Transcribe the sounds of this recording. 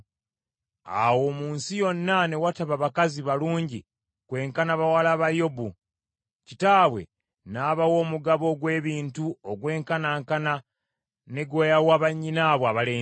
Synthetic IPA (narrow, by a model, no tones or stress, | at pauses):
a̰wo̞ːmuːnsijo̞nːane̞wataβaβakaziβaluːɲɟi | kwe̞ːŋkanaβawalaβajo̞bu | citaːβwe̞̰ | naːβawo̞ːmuɡaβo̞ɡwe̞ːβiːntuoɡwe̞ːŋkanaːŋkana | ne̞ɡwojawaːβaɲːinaːβwaβaleː